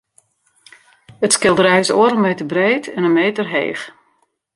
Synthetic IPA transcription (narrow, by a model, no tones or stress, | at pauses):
ətskɪlˠdəɾɛjsoːəɾənmeːtərbreːtʰɛnənmeːtərɦḛːx